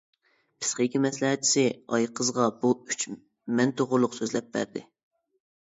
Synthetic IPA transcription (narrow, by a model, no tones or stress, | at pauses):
pʰɨ̥sχejkʲimɛslɛɦɛt̪̚t͡ʃʰi̥sɪɑjqʰəzʁɑbuyt͡ʃ | mɛnt̪oʁʊɾlˠʊqsøzlɛp̚bæ̰ɾd̪ɪ̰